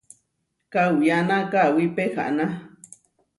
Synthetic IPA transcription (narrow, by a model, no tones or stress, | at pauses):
kawianakawipeha̰ʔna